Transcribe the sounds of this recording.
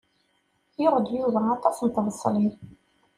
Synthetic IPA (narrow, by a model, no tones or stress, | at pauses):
jəɾˤəd̪juðæɑt̪ˤɑsnt̪vəsˤːli